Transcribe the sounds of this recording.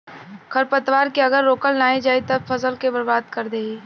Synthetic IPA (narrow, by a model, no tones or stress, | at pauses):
kʰəɾpət̪ʋaːɾkeɐɡəɾːoːkəlnaːed͡ʒaːet̪ɐbfʰɐsəlkebəɾbaːd̪kɐɾd̪eːeː